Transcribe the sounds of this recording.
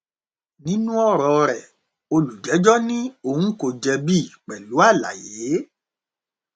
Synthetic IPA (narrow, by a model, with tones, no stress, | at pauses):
nĩ˦nũ˦ɔ˦˨ɾɔ˨˧ɾɛ˨ | o˧lu˨d͡ʒɛ˨˦d͡ʒɔ˦nĩ˦o˦˨hũ˦ko˧˨d͡ʒɛ˧bi˦˨k͡pɛ˨lu˨˦a˦˨la̰˨je˨˦